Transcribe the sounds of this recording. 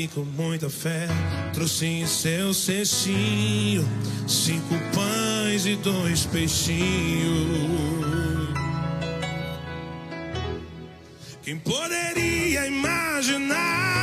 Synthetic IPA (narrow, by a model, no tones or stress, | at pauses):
ikõmũj̃t̪ɐfɛt̪ɾosĩsewseʃiɲʊ | sĩkʊpɐj̃zɪd̪ojspejʃĩɲʊ | kẽj̃pod̪eɾiɐimaʒina